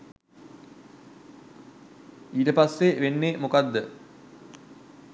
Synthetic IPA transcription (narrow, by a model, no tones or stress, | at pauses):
iːʈəpasːeʋenːemukad̪ːə